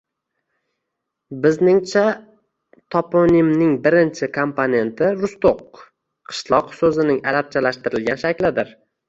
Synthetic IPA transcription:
bɪznɪŋt͡ʃʰa | t̪ʰɒpʰonimnɪŋbɪɾɪnt͡ʃʰɪkʰompʰone̞nt̪ʰɪɾʊst̪oq̚ | qʰɨ̥ʃlˠɒqsɵzɪnɪŋalap̚t͡ʃʰalaʃt̪ɪɾɪlɡʲanʃakʲlɪd̪ɪɾ

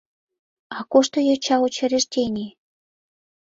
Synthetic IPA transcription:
ɑkoʃt̪ojɑt͡ɕɑot͡ɕeɾeʃt̪ʲenʲe

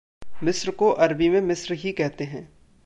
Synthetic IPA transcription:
mɪsɾkoʔɐɾbimẽmɪsɾɦikɛɦt̪eɦɛ̃ː

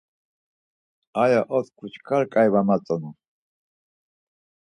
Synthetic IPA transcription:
ajaʔɔt̪kʰut͡ʃkʰaɾkʼajβamat͡sʼɔnu

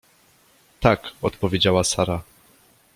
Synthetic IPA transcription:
t̪akɔt̪pɔvʲjed͡ʑawasaɾa

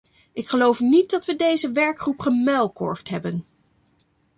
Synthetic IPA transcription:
ʔɪkχəlowfnit̚dɑtʋədejzəʋɛɹkχrupχəmɛlˠkɔ̰ɹftɦɛbən

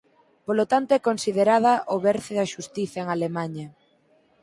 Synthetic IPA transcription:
polot̪ant̪oɛkonsiðeɾað̞ɐʔoβɛɾθeðaʃust̪iθaeŋalemaɲɐ

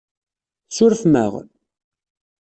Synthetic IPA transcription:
sʊɾfmæ̰ʁn

